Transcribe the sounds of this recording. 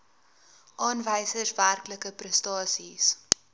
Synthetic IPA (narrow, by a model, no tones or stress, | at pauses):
ʔɑːnvəjsəsværkləkəprəstɑːsis